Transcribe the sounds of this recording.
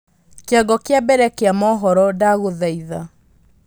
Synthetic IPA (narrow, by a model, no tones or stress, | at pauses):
keaɡɔkejabɛɾɛkeamɔɦɔɾɔdaɣoðaiða